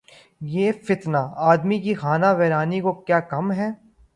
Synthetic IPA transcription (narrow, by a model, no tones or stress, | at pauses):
jeːfɪt̪naːaːd̪mikixaːnaʋɛːɾaːnikokjaːkɐmɦɛː